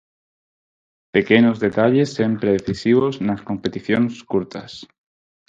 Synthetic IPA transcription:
pe̞ke̞no̞zðe̞t̪aʎe̞sːempɾeðeθisiβ̞o̞snasko̞mpe̞t̪iθjonskuɾt̪as

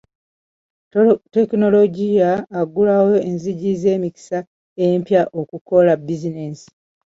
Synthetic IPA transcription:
te̞kino̞lo̞ɟijaːɡulawo̞enziɟize̞ːmiki̥sa | eempjaʔokuko̞labizinensi̥

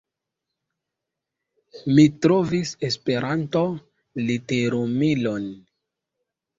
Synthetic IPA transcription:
mitɾovise̞spe̞ɾanto̞ | liteɾumilo̞n

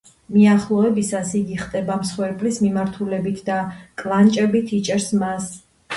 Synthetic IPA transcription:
miaχlˠɔɛbisasiɡiχt̪ʼɛbamsχwɛɾpʼlismimaɾt̪ʰulɛbit̪ʰd̪akʼlˠant͡ʃʼɛbit̪ʰit͡ʃʼɛɾsmas

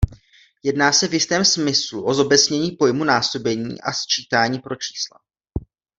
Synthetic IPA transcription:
jɛdnaːsɛvjɪst̪ɛːmsmɪsluʔo̞zo̞bɛt͡sɲɛɲiːpo̞jmunaːso̞bɛɲḭːʔa̰st͡ʃiːt̪aːɲiːpɾo̞t͡ʃi̥ːsla̰

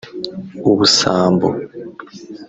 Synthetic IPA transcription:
uβusaːmbo̰

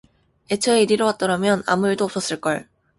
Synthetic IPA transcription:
e̞t͡ɕʰʌeɾiɾʌwat̚t͈ʌɾamjʌna̰muiɭdoːps͈ʌs͈ɯɭk͈ʌɭ

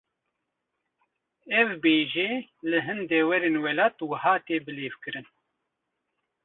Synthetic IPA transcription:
ɛvbeːʒeːlɨɦɨnd̪ɛːwɛɾeːnwɛlaːt̪wɐhaːt̪eːbɨleːvkɨɾɨn

